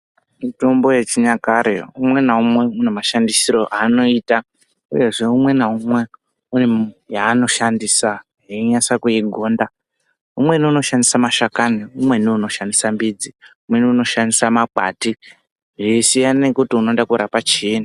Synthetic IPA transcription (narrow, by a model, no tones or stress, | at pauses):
mito̞mbo̞jet͡ʃiɲakaɾḛumwe̞naumwe̞unemaʃandisiɾo̞ʔaːno̞iːta | ṵje̞ʐe̞umwe̞naumwe̞ | unejaːno̞ʃandisa | ɦeɲasakujiɡʱo̞ːnda | umwe̞niuno̞ʃandisamaʃakaniumwe̞niuno̞ʃandisambid͡ziumwe̞niuno̞ʃandisamak͡pa̰ti | ʐisijanekutiuno̞dakuɾapat͡ʃːna